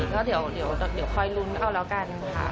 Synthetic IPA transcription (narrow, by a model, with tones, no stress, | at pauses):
kɔː˥˩di˨˩˦wdi˨˩˦wdɔː˨˩di˨˩˦wkʰɔː˧jlu˧˥nʔa˧wlɛː˦˥wka˧n | kʰa̰˦˥˩